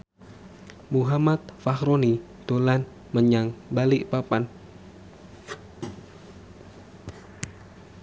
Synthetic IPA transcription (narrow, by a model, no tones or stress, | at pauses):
muɦamat̪̚faxɾoni | d̪̥olan | məɲaŋbalɪʔpapan